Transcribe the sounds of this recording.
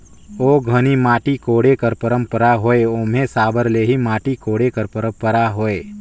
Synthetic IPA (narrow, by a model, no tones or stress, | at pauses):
oːɡʱənimaːʈikoːɽekəɾpəɾə̃mpəɾaɦoːeomẽsaːbəɾleːɦimaːʈikoːɽekəɾpəɾə̃mpəɾaɦoːeː